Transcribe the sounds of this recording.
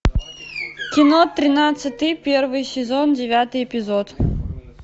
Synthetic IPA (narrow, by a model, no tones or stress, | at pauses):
kʲinɔt̪ːɾʲɪnat̪sɨt̪ɨjpʲɛrvɨjsʲɪzɔndʲɪvʲat̪ɨjɛpʲizɔt̪